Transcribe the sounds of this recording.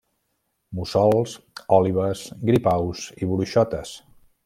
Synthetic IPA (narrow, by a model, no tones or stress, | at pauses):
musɔlˠs | ɔliβ̞əsɡɾipawziβuluʃɔt̪əs